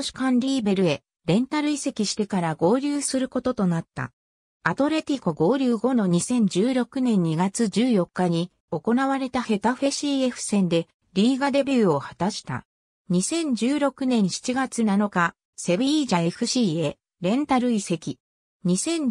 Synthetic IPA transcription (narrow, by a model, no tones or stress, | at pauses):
ɕi̥kãnɾʲiːbe̞ɾɯ̟e̞ | ɾẽ̞nt̪aɾɯ̟ise̞kʲiɕi̥t̪e̞kaɾaɡo̞ːɾʲɨːsɨɾɯ̟ko̞t̪o̞t̪o̞nat̪ːa̰ | at̪o̞ɾe̞t̪ʲikoɡo̞ːɾʲɨːɡo̞no̞ɲ̟isẽ̞ɲ̟d͡ʑɨːɾo̞kɯ̟nẽ̞ɲ̟ɲːiɡat͡sɨd͡ʑɨːjo̞kːaɲ̟i | o̞ko̞naβaɾe̞t̪ahe̞t̪aɸe̞ɕiːe̞ɸɯ̟̥sẽ̞nd̪e̞ | ɾʲiːɡad̪e̞bʲɨːo̞hat̪aɕi̥t̪a̰ | ɲ̟isẽ̞ɲ̟d͡ʑɨːɾo̞kɯ̟nẽ̞ɰ̃ɕi̥t͡ɕiɡat͡sɨnano̞ka | se̞bɯiːʑae̞ɸɯ̟ɕiːe̞ | ɾẽ̞nt̪aɾɯ̟ise̞kʲi | ɲ̟isẽ̞ɲ